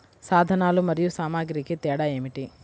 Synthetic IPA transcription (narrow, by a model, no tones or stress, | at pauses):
saːd̪ʱɐnaːlumɐɾijusaːmaːɡɾikit̪ɛːɽɐe̞ːmiʈi